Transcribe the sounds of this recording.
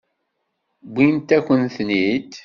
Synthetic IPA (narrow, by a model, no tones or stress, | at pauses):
bʷːint̪ækʷːənθnit̪